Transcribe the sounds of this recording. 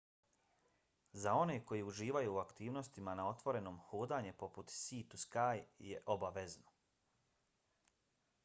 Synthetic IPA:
zao̞ne̞ko̞jiuʒiːʋajuːakt̪iːʋno̞st̪imanao̞t̪ʋo̞ɾe̞no̞ːmhuːd̪aɲepo̞put̪siːt̪uskaːjjḛʔo̞baʋezno

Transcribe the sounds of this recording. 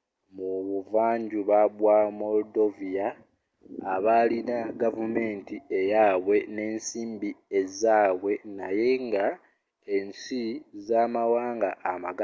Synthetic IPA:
muβuvaːɲɟuβaβwamo̞ldo̞vijaː | βalinaɡavume̞ːntie̞jaːβwe̞ne̞ːnsiːmbie̞zaːβwe̞naje̞ŋɡa | ensizamawaːŋɡaʔːmaɡa

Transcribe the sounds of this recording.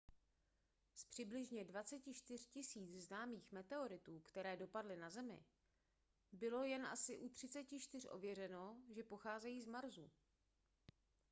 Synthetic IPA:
spr̝̥ɪblɪʒɲɛdvat͡sɛcɪʃt̪ɪr̝̥cɪsiːt͡sznaːmiːxmɛt̪ɛo̞ɾɪt̪uːkt̪ɛɾɛːdo̞padlɪnazɛmɪ̰ | bɪlo̞jɛnʔa̰sɪʔut̪r̝̥ɪt͡sɛcɪʃt̪ɪr̝ʔo̞̰vjɛrɛno̞ʒɛpo̞xaːzɛjiːzmaɾzu

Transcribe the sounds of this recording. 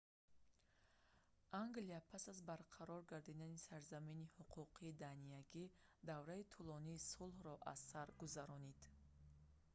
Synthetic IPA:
ʔaŋɡliapʰasazbaɾqʰaɾɔɾɡaɾd̪id̪anisaɾzaminihuqʰuqʰiːd̪anijaɡid̪avɾait̪ʰulɔniːsulhɾɔʔazsaɾɡuzaɾɔnid̪

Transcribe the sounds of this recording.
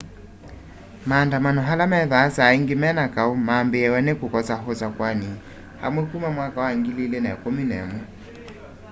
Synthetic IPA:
maːndamanɔɦalamɛðaːsaiŋɡemɛnakaumaːmbeɛwɛnekokɔsaɦɔsakwani | ha̰mwɛkumamwakawaiŋɡililenakominɛ̰mɔ

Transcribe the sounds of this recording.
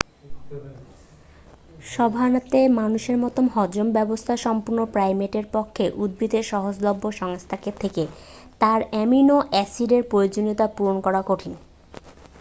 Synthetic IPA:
ʃɔbʱanat̪emanuʃeɾmɔt̪omhɔd͡ʑombɛbost̪ʰaʃɔmpuɾnopɾajmeʈeɾpɔkʰːeʔud̪̚bɾit̪eʃɔɦod͡ʑlobːoʃɔŋst̪ʰaket̪ʰeket̪aɾɛminoʔɛsiɖeɾpɾojod͡ʑoniot̪apuɾonkɔɾakoʈʰin

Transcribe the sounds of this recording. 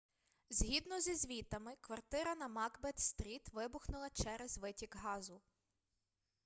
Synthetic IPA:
zʲɦʲid̪nɔzʲizʲʋʲit̪ɐmɪkʋɐrt̪ɪɾɐnɐmɑɡbɛt̪st̪ɾʲit̪ʋɪbʊxnʊlˠɐt͡ʃɛɾɛzʋɪtʲikɦɑzʊ

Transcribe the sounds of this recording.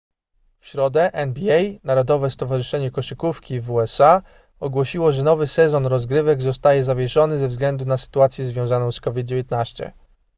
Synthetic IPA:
fɕɾɔd̪ɛʔɛnbʲiɛjnaɾɔd̪ɔvɛst̪ɔvaʐɘʂɛɲɛkɔʂɘkufkʲivuɛsa | ɔɡwɔɕiwɔʐɛnɔvɘsɛzɔnɾɔzɡɾɘvɛɡzɔst̪ajɛzavʲjɛʂɔnɘzɛvzɡlɛnd̪unasɘ̥t̪uat̪sʲjɛzvʲjɔ̃w̃zanɔ̃w̃skɔvʲid̪̚d͡ʑevjet̪naɕt͡ɕɛ̰

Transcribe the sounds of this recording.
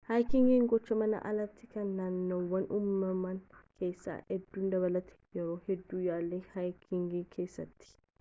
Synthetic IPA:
hajkɪŋɡiːŋɡɔt͡ʃːɐmɐnɐ̰ʔɐ̰lɐt̪ːɪkɐnːaːnːowɐnʔʊmːɐmɐnkʰe̞ːsːa̰ːɛd̪ːuːnd̪ɐβɐlɐt̪ʰɛ̥jɛɾoːhɛd̪ːuːjaːlːehajkʰɪŋɡikʰeːsːɐt̪ːɪ̥

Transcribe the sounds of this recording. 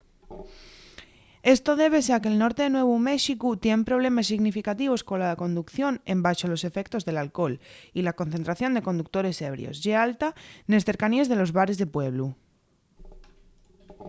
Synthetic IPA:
e̞st̪o̞ðe̞β̞e̞seake̞ːlno̞ɾt̪eðenwe̞β̞ume̞ʃikut̪je̞mpɾo̞β̞le̞masːiɣnifikat̪iβ̞o̞sko̞nlako̞nd̪ukθjo̞nẽ̞mbaʃolo̞se̞fe̞k̚t̪o̞zðe̞lalko̞lilako̞n̟θe̞nt̪ɾaθjo̞nd̪e̞ko̞nd̪uk̚t̪o̞ɾe̞se̞βɾj̰o̞̰sʝealt̪ane̞sθe̞ɾkanie̞zðe̞lo̞zβaɾe̞zðepwe̞β̞lu

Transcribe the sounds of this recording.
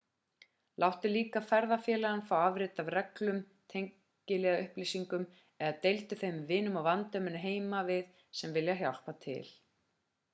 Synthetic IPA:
lʔawht̪ʏliːkafɛɾðafjɛːlaanfɾawavɾɪːt̪avrɛklʏm | t̪ʰejŋ | cɪlɛːɣaʏhplisiŋkʏm | ɛðat̪ejlt̪ʏθejmɪvɪːnːʏmawvant̪œmɪnːʏɦeːjmavɪð | sɛmvɪljaɦjawl̥pat̪ʰɪ̰l

